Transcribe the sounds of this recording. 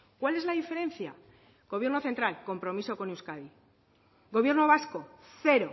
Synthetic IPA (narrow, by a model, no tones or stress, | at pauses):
kwale̞zlaðife̞ɾe̞nθja̰ | ɡ̥o̞βjnoθe̞nt̪ɾalko̞mpɾo̞miso̞ko̞newskaði | ɣo̞β̞je̞ɾno̞β̞asko̞ | θe̞ɾo̞